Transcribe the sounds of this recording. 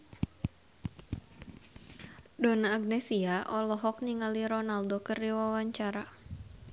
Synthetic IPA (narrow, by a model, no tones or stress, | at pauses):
donaːɡ̚nɛsiaʔɔlɔɦɔk̚niŋaliɾɔnaldokərdiwawaɲt͡ʃaɾa